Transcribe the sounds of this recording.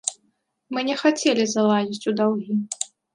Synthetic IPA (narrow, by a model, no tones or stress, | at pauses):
mɨnʲɛxat͡sʲɛlʲizalˠazʲit͡sʲud̪awɣʲi